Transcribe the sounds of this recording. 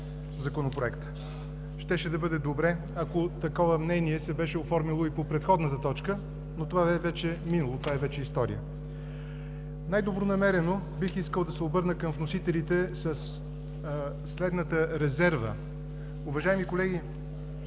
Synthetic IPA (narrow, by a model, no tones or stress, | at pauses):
zɐkonopɾoɛkt̪ | ʃt̪ɛʃɛd̪ɐbɤd̪ɛd̪obɾɛ | ɐkot̪ɐkɔvəmnɛniɛsɛbɛʃɛofɔɾmilˠoipopɾɛt̪xɔd̪nət̪ət̪ɔt͡ʃkə | not̪ovabɛvɛt͡ʃɛminɐlˠot̪ovaɛvɛt͡ʃɛist̪ɔɾḭə | najd̪obɾonɐmɛɾɛno | bixiskəlˠd̪ɐsɛobɤɾnəkəmvnosit̪ɛlit̪ɛsəs | slɛd̪nət̪əɾɛzɛɾvə̰ | ʊvɐʒaɛmikolɛɡ̟i